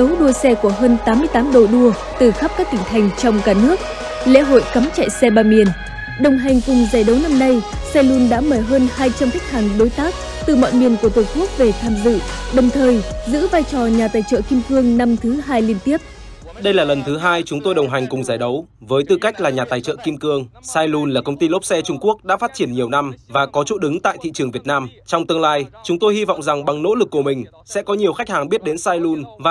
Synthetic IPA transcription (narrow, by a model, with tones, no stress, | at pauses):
ə˨˦wɗu˧əsɛ˧ku˧˩əɦəː˧nt̪aː˨˦mːɨ˧əjt̪aː˨˦mɗo˧˨˩ɗu˧ə | t̪ɨ˨˩xa˦˥p̚kaː˦˥k̚t̪ï˧˩ŋ̟t̪ʰa˨˩jŋ̟t͡ɕɔ˧wŋ͡mkaː˧˩nɨ˦˥ək̚ | lḛ˧˥ɦo̰˧˨jkə˨˦mt͡ɕa̰ː˧˨jsɛ˧ɓaː˧mi˨˩ən | ɗə˨˩wŋ͡mɦa˨˩jŋ̟kʊ˨˩ŋ͡mzaː˧˩jɗə˨˦wna˧mna˧j | sɛ˧lu˧˩nɗa̰ː˧˥məː˧˩jɦəː˧nhaː˧jt͡ɕa˧mka˦˥k̚haː˨˩ŋɗo˨˦jt̪aː˦˥k̚ | t̪ɨ˨˩mɔ̰˧˨jmi˨˩ənku˧˩ət̪o˨˩jku˦˥ək̚ve˨˩t̪ʰaː˧mzɨ̰˧˨ɗə˨˩wŋ͡mt̪ʰəː˨˩jzɨ̰˧˥vaː˧jt͡ɕɔ˨˩ɲaː˨˩t̪aː˨˩jt͡ɕə̰ː˧˨ki˧mkɨ˧əŋna˧mt̪ʰɨ˨˦ɦaː˧jli˧ənt̪i˦˥əp̚ | ɗə˧jlaː˨˩lə˨˩nt̪ʰɨ˨˦ɦaː˧jt͡ɕʊ˨˦ŋ͡mt̪o˧jɗə˨˩wŋ͡mɦa˨˩ŋ̟kʊ˨˩ŋ͡mzaː˧˩jɗə˨˦w | vəː˨˦jt̪ɨ˧˩ka˦˥jk̟̚laː˨˩ɲaː˨˩t̪aː˨˩jt͡ɕə̰ː˧˨ki˧mkɨ˧əŋsaː˧jlu˧nlaː˨˩kə˧wŋ͡mt̪i˧lo˦˥p̚sɛ˧t͡ɕʊ˧ŋ͡mku˦˥ək̚ɗa̰ː˧˥faː˦˥t̚t͡ɕi˧˩ənɲi˨˩əwna˧mvaː˨˩kɔ˨˦t͡ɕṵ˧˥ɗɨ˨˦ŋt̪a̰ː˧˨jt̪ʰḭ˧˨t͡ɕɨ˨˩əŋvi˨˩ət̚naː˧mt͡ɕɔ˧wŋ͡mt̪ɨ˧əŋlaː˧jt͡ɕʊ˨˦ŋ͡mt̪o˧jhi˧vɔ̰˧˨wŋ͡mza˨˩ŋɓa˨˩ŋno̰˧˥lɨ˨˩k̚ːu˧˩əmï˨˩ŋ̟ | sɛ̰˧˥kɔ˨˦ɲi˨˩əwxa˦˥k̟̚haː˨˩ŋɓi˦˥ət̚ɗe˨˦nsaː˧jlu˧nvaː˨